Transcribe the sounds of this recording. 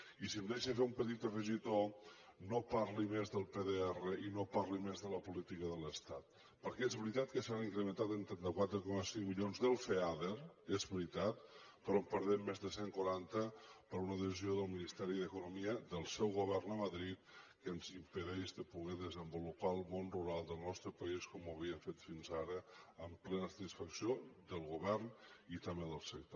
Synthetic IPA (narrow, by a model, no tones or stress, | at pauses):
isiəmd̪eʃəfeumpət̪it̪ərəʒit̪onopaɾlimezðəlˠpeðeɛrəʔinopaɾlimezðələpulit̪ikəðələst̪at̪̚ | pəɾkɛezβɾit̪at̪kəsaniŋkɾəmənt̪at̪ənt̪ɾɛnt̪əkwat̪ɾəkɔməsiŋmiʎonzðəlˠfeaðeɾezβɾit̪at̪̚ | pəɾɔmpəɾðɛmːezðəseŋkwuɾant̪əpəɾunəðəzioðəlˠminist̪ɛɾiðəkunumiəðəlˠsɛwɣuβ̞ɛrnəməðɾit̪̚kənzimpəðɛʒdəpuɣɛðəzəmbulupaəlˠmonruɾalˠd̪əlˠnɔst̪ɾəpəiskɔməβiəɱfet̪finzaɾəəmplɛnəsət̪isfəksiod̪əlˠɣuβɛrnit̪əmeðəlˠsək̚t̪o